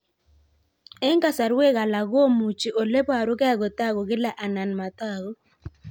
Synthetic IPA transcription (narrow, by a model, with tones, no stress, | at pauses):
ɛ˦ŋka˦sa˨ɾwe˦ka˨la˨ɡo˦mu˨t͡ʃi˨ʔo˨le˦pa˨ɾʊ˦kɛ˦a˦ɡɔ˨ta˦ɡo˨ɡɪ˦la˦ʔa˨na˨nma˨ta˦ɣo˦